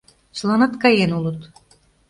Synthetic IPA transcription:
t͡ɕlɑnɤt̪kɑjenulɤ̆t̪

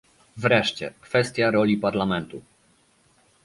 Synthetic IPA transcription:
vɾɛʂt͡ɕɛ̰kfɛst̪ʲjaɾɔlʲipaɾlamɛnt̪u

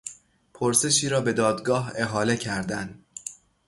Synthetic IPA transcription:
pʰoɾse̞ʃiːɾɒːbe̞d̪ɒːd̪ɡɒːɦe̞ɦɒːle̞cʰæɾd̪ænd̪

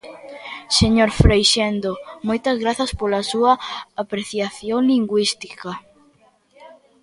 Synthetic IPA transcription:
seɲoɾfɾejʃend̪omojt̪ɐzɣɾaθɐspolɐsuɐapɾeθjaθjoŋliŋɡwist̪i̥kɐ

